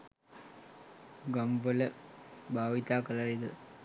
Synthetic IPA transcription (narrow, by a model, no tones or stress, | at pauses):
ɡɐmbələbʱaːʋit̪aːkəlaid̪ə